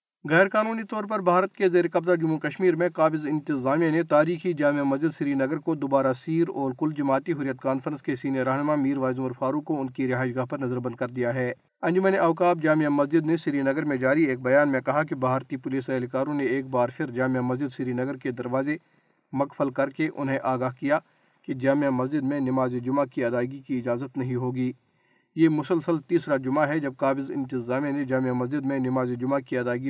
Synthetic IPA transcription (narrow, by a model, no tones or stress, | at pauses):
ɣɛːɾkaːnuːnit̪ɔːɾpɐɾbʱaːɾət̪kezeːɾekɐbzad͡ʒʊmukɐʃmiːɾmẽkaːbɪzɪ̃nt̪ɪzaːmijanet̪aːɾiːxid͡ʒaːmijamɐzd͡ʒɪd̪sɪɾinɐɡəɾkod̪ʊbaːɾasiːɾɔːɾkʊld͡ʒɐmaːt̪iɦʊɾijət̪kaːnfəɾə̃nskesiːnijəɾɐːɦnmamiːɾʋaːzʊ̃məɾfaːɾũkkːoʊnkiɾɪɦaːʃɡaːɦpɐɾnɐzəɾbɐ̃nd̪̚kɐɾd̪ijaɦɛː | ɐ̃nd͡ʒʊmə̃neʔɐʋkaːp̚d͡ʒaːmijamɐzd͡ʒɪd̪nesɪɾinɐɡəɾmẽd͡ʒaːɾieːk̚bɐjaːnmẽkɐɦak̬ibʱaːɾt̪ipʊliːsɐɦlkaːɾõneeːk̚baːɾpʰɪɾd͡ʒaːmijamɐzd͡ʒɪd̪sɪɾinɐɡəɾked̪ɐɾʋaːze | mɐkfəlkɐɾkeʔʊ̰nɦẽʔaːɡaːɦkija | ked͡ʒaːmijamɐzd͡ʒɪd̪mẽnɪmaːzed͡ʒʊmakiɐd̪aːɪɡikiɪd͡ʒaːzət̪nɐɦĩɦoːɡiː | jeːmʊsəlsəlt̪iːsɾad͡ʒʊmaɦɛd͡ʒɐb̚kaːbɪzɪ̰̃nt̪ɪzaːmened͡ʒaːmijamɐzd͡ʒɪd̪mẽnɪmaːzed͡ʒʊmakiɐd̪aːɪɡi